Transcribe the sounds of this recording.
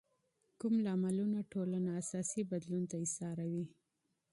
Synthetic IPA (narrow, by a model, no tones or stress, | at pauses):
kumlɑmalunaʈolanaːsɑsibad̪lunt̪aɪsɑɾawi